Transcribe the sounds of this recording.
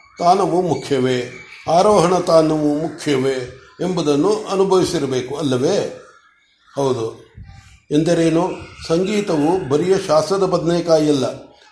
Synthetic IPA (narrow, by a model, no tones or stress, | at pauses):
t̪aːnɐʋumukʰjɐʋeːaːɾoːɦɐɳɐt̪aːnɐʋumukʰjɐʋeːembud̪ɐnːuʔɐnubʱɐʋisiɾɐbe̞ːkuɐlːɐʋeː | hɐwd̪u | end̪ɐɾeːnusɐŋɡiːt̪ɐʋubʱɐɾijɐʃaːst̪ɾɐd̪ɐbɐd̪nejkaːjɐlːɐ